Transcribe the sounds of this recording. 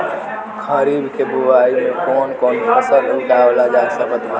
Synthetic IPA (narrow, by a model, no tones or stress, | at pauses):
kʰəɾibkebuwaimekonkonpʰəsəluʈablad͡ʒasəməd̪ʱa